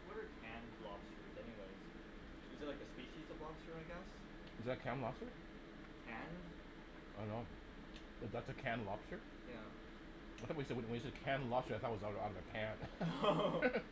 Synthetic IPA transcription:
wʌɾə˞kʰæ̃nlɑb̥stə˞zɛniweɪz̥ | ɨzðət̚laɪkɨspiʃizʌvlɑb̥stə˞aɪɡɛs | ɨzðɨkʰæ̃nlɑb̥stə˞ | kʰæ̃n | ɪõnoʊ | wʌðætsɨkʰæ̃nlɑb̥stə˞ | jæ | wtθɔwtjisɛd̚wɨ̃wə̃njɨsɛd̚kʰæ̃nlɑb̥stə˞aɪθɔt̚wʌzaʊɾaʊɾʌvɨkʰæ̃n

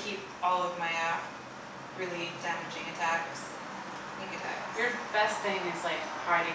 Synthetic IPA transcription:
kʰip̚ | ɔlˠʌvmaɪæf | ɹɪlˠidæmɨd͡ʒɪ̃ŋɨtʰækɨs | ɪ̃ɨtʰæ̰jə˞b̥ɛsθɪ̃ŋɨzlaɪkʰaɪɾɪ̃

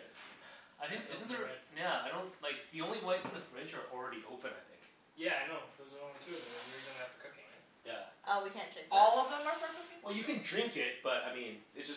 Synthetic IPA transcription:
ʔaɪɾɪ̃nɪz̃n̩ðə˞jæaɪɾõʊ̃nlaɪk̚ðiõʊ̃nliweɪzɨ̃n̩ðɨfɹɪ̃d͡ʒə˞l̩ˠɹɛɾiʔoʊpɨ̃naɪθɪ̰̃ŋk | jæaɪnoʊðoʊzə˞õtʰʉʌðɨ̃iɹizɨ̃næftə̥˞kʰʊkɪ̃ŋɪ̰t | jæ̰ʔoʊwikʰæ̃ndɹɪ̃ŋkɔlˠʌvðə̃mə˞sʌkiwʔɛlˠjɨkɨ̃ndɹɪ̃ŋkɪt̚b̥ʌɾaɪmĩnɨtsd̥ʌs

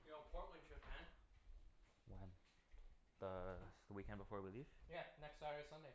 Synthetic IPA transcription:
jpʰɔɹʔlɨ̃nd͡ʒɨpʰæ̃n | wɛ̃n | ðəðəwikɛ̃nd̚bəfɔɹwilifjænɛkstaə˞sʌ̃ndeɪ

